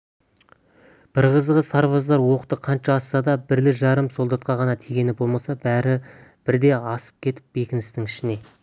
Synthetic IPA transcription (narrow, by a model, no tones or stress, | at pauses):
b̥ɪɾʁəzʁəsɑɾβɑzd̪ɑɾwo̞qt̪əqʰɑnʃɑːsːɑd̪ɑbɪɾlɪʒɑɾəmso̞lˠd̪ɑt̪̚qɑʁɑnɑt̪ʰiɡʲe̞nɪbo̞lˠmɑsɑbæɾɪb̥ɪɾd̪e̞ɑsə̥p̚kʲʰe̞t̪ɪ̥p̚be̞kʲɪnɪst̪ɪŋɪʃɪne̞